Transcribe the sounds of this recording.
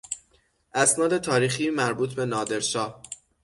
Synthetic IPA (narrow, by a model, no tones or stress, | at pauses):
ʔæsnɒːd̪et̪ʰɒːɾiːxiːmæɾbuːt̪ʰbe̞nɒːd̪e̞ɾʃɒːh